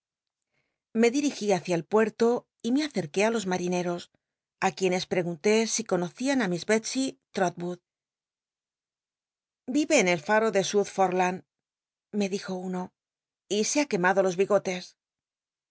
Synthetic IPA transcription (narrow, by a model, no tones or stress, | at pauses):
me̞ðiɾixiaθjaelpwe̞ɾt̪o̞ | ime̞aθe̞ɾke̞alo̞zmaɾine̞ɾo̞s | akje̞ne̞spɾe̞ɣunt̪e̞siko̞no̞θianamizβet͡ʃit̪ɾot̪̚buð | biβe̞ːne̞lfaɾo̞ðe̞suðfoɾlan | me̞ðixo̞uno̞ | iseake̞maðo̞lo̞zβiɣo̞t̪e̞s